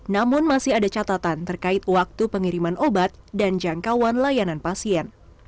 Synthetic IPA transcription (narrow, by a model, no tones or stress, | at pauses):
namʊnmasɪɦadat͡ʃat̪at̪ant̪ərkaɪt̪̚wak̚t̪upəŋiɾimanʔobat̪̚dand͡ʒaŋkawanlajananpasiɛn